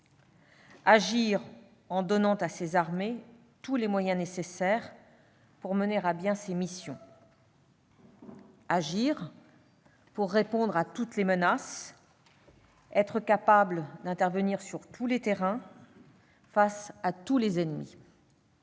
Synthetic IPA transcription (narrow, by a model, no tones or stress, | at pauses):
aʒiʁ | ɑ̃d̪ɔnɑ̃t̪asezaʁme | t̪ulemwajɛ̃nesesɛʁ | puʁməneʁabjɛ̃semisjɔ̃ | aʒiʁ | puʁːepɔ̃d̪ʁat̪ut̪lemənas | ɛt̪χəkapabld̪ɛ̃t̪ɛʁvəniʁsyʁt̪ʰulet̪eʁɛ̃ | fasat̪ulezɛnmḭ